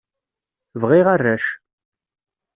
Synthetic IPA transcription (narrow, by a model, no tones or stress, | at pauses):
vʁiʁarːæʃ